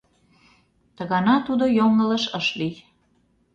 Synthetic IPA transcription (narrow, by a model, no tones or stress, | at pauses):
t̪əɣɑnɑt̪ud̪ojoŋələ̆ʃəʃlij